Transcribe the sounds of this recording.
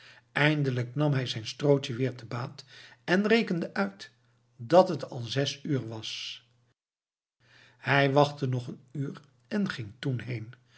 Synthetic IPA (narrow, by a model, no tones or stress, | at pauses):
ʔɛjndələknɑmɦɛjzɛjnstrowtəʋɪːɹtəbaːtɛnrejkəndəʔœɥt | dɑtɦətʰɑ̰lˠzɛsyːɹʋɑs | hɛjʋɑχtənɔχənyːɹ | ɛnχɪŋtunɦejn